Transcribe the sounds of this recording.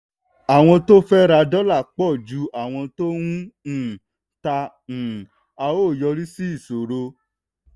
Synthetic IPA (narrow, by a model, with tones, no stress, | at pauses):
a˨w̃ɔ̃˧to˦fɛ˦ɾa˧dɔ˦la˦˨k͡pɔ˦˨d͡ʒu˨˦ʔa˦˨w̃ɔ̃˧to˦wũ˦˨ | tã˧˨ | a˧o˦˨jɔ˧ɾi˦si˦i˦˨so˨ɾo˧